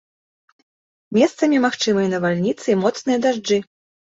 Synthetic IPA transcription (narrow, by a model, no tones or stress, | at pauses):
mʲɛst̪sɐmʲimaxt͡ʂɨmɨjɐnɐvalʲnʲit̪sɨimɔt̪snɨjɐd̪aʐd͡ʐɨ